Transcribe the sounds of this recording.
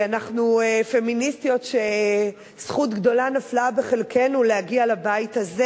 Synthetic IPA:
anaχnuefe̞ministijo̞tʃe | sχutɡdo̞lanaflabeχe̞lkʰe̞nulehaɡialabajithaze

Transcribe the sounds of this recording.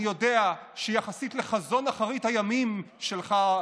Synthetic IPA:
jo̞deaʃejaχasitle̞χazo̞naχaʁithajamim | ʃelχa

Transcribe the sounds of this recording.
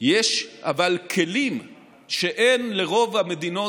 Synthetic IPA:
jeʃavalkʰe̞lim | ʃe̞ʔe̞nle̞ʁo̞vhame̞d̪ino̞

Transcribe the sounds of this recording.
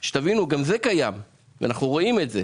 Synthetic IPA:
ʃet̪avinuɡamzekajam | vḛa̰naχnuʁo̞ime̞tzḛ

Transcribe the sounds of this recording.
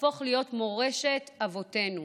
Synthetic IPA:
o̞χlijo̞tmo̞ʁeʃe̞tavo̞te̞nu

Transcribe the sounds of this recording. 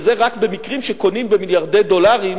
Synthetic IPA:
zeʁakbe̞mikʁimʃeko̞nimbemiljaʁd̪e̞jd̪o̞laʁim

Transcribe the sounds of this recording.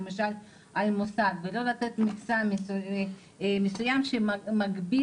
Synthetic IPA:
emaʃal | almosadvelo̞lat̪et̪miksam | mesujamʃemaɡbi

